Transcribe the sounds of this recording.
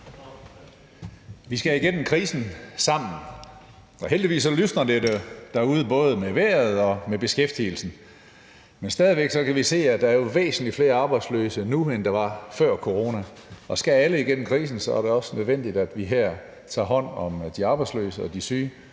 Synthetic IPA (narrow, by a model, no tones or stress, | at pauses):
ʋisɡ̥æiɡ̥en̰m̩kʰʁiːsn̩sɑ̈m̰n̩ | ɒ̽ɦeld̥iʋḭːsːɒ̽lysnɐd̥e̥d̥æuːðˠəb̥ɔ̽ːð̞ˠəmeʋæːɐð̞̩ˠɒ̽meb̥e̝sɡ̥efd̥il̩sn̩ | mensd̥ɛːð̞ˠʋeɡ̥sɒ̽kʰæʋise̝̰ːæd̥ɑ̈æɐjo̝ʋḛːsn̩lifle̝ːɐɑ̈ːb̥ɑ̈ɪd̥slø̰ːsənuend̥ɑ̈ʋɑ̈fɶɐ̰kʰo̝ʁo̝ːnæ | ɒ̽sɡ̥ææləiɡ̥en̰m̩kʰʁiːs̬n̩sɒ̽æɐɾe̝ɒ̽sənøð̞ˠʋen̰d̥id̥æd̥ʋiɦæɐ̰ | t͡sʰɑ̰̈ːɦɒ̽n̰ɒ̽md̥iɑ̈ːb̥ɑ̈ɪd̥slø̰ːsəɒ̽d̥isyː